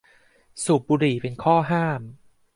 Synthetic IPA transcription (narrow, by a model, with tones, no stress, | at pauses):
su˨˩p̚buː˧ɾiː˨˩pe˧nkʰɔː˥˩ɦaː˥˩m